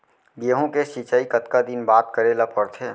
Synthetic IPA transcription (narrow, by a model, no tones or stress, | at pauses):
beːɦõkesit͡ʃaːikət̪kad̪inbaːt̪̚kəɾelapəɾt̪ʰeː